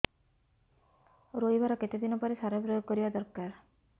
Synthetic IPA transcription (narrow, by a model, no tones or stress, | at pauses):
ɾojbʱaɾɔket̪ed̪inɔpɔɾesaɾɔpɾojoɡ̚kɔɾibad̪ɔɾkaɾ